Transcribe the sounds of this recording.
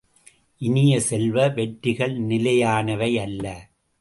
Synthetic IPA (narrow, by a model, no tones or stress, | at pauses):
ʔɪnɪjɐsɛlʋɐʋɛʈːɪɣɐɭnɪlɐjaːnɐʋɐɪɐlːɐ